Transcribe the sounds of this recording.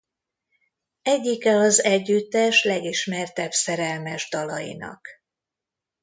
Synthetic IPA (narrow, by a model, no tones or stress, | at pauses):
ɛɟːikɛɒzɛɟːyt̪ːɛʃlɛɡiʃmɛrt̪ɛbsɛɾɛlmɛʒd̪ɒlɒ̰jḭnɒ̰k